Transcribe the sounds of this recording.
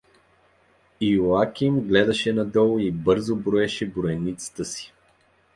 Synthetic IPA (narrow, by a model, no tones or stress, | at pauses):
iuakʲimɡlɛd̪ɐʃɛnɐd̪ɔlˠʊibɤɾzobɾoɛʃɛbɾoɛnit̪sə̥t̪əsi̥